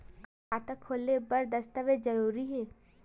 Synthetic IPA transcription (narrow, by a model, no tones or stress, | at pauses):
aːt̪əkʰːoːlːebɐɾd̪ɐst̪əʋed͡ʒɐɾuːɾiɦɛː